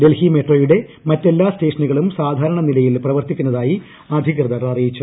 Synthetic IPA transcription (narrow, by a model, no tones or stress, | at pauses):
de̞lhimeʈroːjuɽe̞mɐtːe̞lːaːste̞ːʂɐnuɣɐɭumsaːd̪ʱaːɾɐɳɐnilɐjilprɐʋɐrt̪ikʲːunːɐðaːji | ɐd̪ʱikrɨðɐɾɐɭɐrijit͡ɕːu